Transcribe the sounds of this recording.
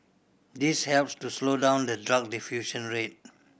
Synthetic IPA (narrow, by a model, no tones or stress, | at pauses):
d̪ishɛlpstuslodãʊ̃nd̪ədɹak̚difjuʃə̃nɹet̚